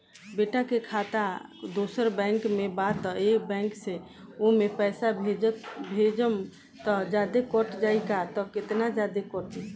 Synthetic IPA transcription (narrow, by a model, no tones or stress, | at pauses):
beʈakekʰat̪ad̪osəɾbɛ̃ŋkmebat̪ɔekbɛ̃ŋkse | oɦmepɛɪsabʱebʱed͡ʒəm | t̪ɔd͡ʒad̪ekɔʈd͡ʒaikat̪ɔket̪nad͡ʒad̪ekɔɾʈ̪i